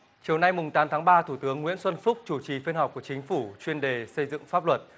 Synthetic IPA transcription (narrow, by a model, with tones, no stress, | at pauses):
t͡ɕi˨˩əwna˧jmʊ˨˩ŋ͡mt̪aː˨˦mt̪ʰaː˨˦ŋɓaː˧t̪ʰu˧˩t̪ɨ˨˦əŋːwḭ˧˥ənswə˧nfʊ˦˥k͡p̚t͡ɕu˧˩t͡ɕi˨˩fi˧nhɦk͡p̚ku˧˩ət͡ɕï˨˦ŋ̟fu˧˩t͡ɕwi˧ənɗe˨˩sə˧jzɨ̰˧˨ŋfaː˦˥p̚lwə˨˩t̚